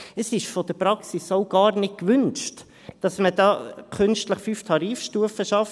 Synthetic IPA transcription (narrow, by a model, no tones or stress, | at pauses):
əsɪʃfɔd̥̪əpɾɑksisoʊɡ̥ɑːɾnɪt̚kʋʏnt͡ʃt | d̥ɑsməd̥ɑːkʰʉnstləχfyːftʰɑɾiːfʃtuːəfəʃɑf